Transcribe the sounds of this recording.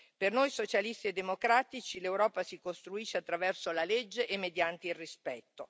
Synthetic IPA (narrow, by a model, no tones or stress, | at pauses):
pernojsot͡ʃalist̪ied̪ːemokɾaːt̪it͡ʃilewɾɔːpasikost̪ɾuiʃːeat̪ːɾavɛrsolaled͡ʒːeʔemːed̪jant̪eilrispɛt̪ːo